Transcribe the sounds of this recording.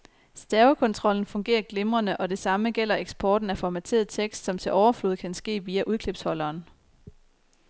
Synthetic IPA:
sd̥æɐʊkʰɒ̽nt͡sʰʁɒ̽l̰n̩fɔ̽ŋɡ̥e̝̰ːɐɡ̥lemʁɐnəʔɒ̽d̥e̝sɑ̈məɡ̥el̰ɐeɡ̥sb̥ɒːd̥n̩æfɒmæt͡sʰe̝̰ɐð̩ˠt͡sʰeɡ̥sd̥sɒ̽mt͡sʰe̝lʔɒʊɐfluð̞̩ˠkʰænsɡ̥e̝̰ːʋiːæʔuð̞ˠkʰle̝b̥shɒ̽lɐːn

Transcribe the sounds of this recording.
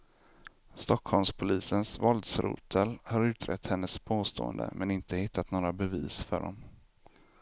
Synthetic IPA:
st̪ɔkʰhɔlmspʰʊliːsənsvɔld̪sɾṵːt̪ʰəlhaɾʉ̟ːt̪ɾɛ̰t̪ːhɛnːəspʰoːst̪o̰ːə̰nd̪ə̰mʔɛnɪnt̪əhɪt̪ːat̪noːɾabɛviːsfœ̰ɖɔ̰m

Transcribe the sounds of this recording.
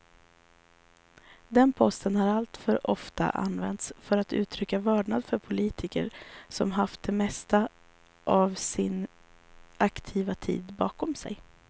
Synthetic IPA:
d̪ɛnpʰɔst̪ənhaɾalt̪fœɾʔɔft̪a̰ʔa̰nvɛ̰nt̪sfœɾat̪ʉ̟ːt̪ʰɾʏkːavɑːɖɳad̪fœɾpʰʊliːt̪ʰɪkə̰ɾsɔmɦaft̪̚d̪ɛmɛst̪a | ʔavsɪn | ʔakt̪ʰiːvat̪ʰḭːd̪bɑːkʰɔmsɛ̰j

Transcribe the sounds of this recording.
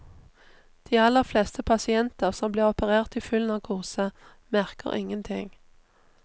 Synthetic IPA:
d̪̥iːɑlːəʁflɛːst̪əpʰɑsɪɛnt̪əʁsɔmbliːʁɔpəʁeːʁt̪iːfʏln̩ɑːʋkʰʊʁsə | mæʁkə̰ʁʔɪ̰ŋənt̪ʰɪŋ

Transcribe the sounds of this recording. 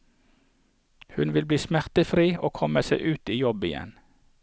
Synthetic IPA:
hʉnʋɪlbliːsmæʁt̪əfɾiːoːkʰɔməseɪʔʉːt̪iːjɔbɪjɛ̰n

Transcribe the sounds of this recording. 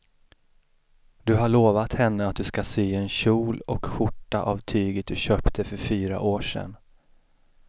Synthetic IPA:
d̪ɵɦaɭoːvat̪hɛnːəat̪̚d̪ɵskasyːɛnɕuːlɔkɧʊʈːaʔavt̪ʰyːɡət̪̚d̪ɵɕøːpt̪ʰəfœɾfyːɾa̰ʔoːʂɛ̰n

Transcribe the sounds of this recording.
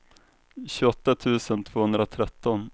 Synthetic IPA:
ɕɵɔt̪ːat̪ʰʉ̟ːsənt̪ʰv̥oːhɵnd̪ɾat̪ʰɾɛt̪ːɔn

